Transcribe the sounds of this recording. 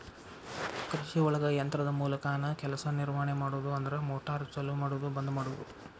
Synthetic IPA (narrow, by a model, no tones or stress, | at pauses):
kɾiʃiɔɭɐɡɐjɐnt̪ɾɐd̪ɐmuːlɐkaːnɐkɛlɐsɐniɾmaːɳemaːɽuʋd̪uɐnd̪ɐɾemoːʈaːɾɐt͡ʃɐlumaːɽuʋɐd̪ubɐnd̪umaːɽuʋɐd̪u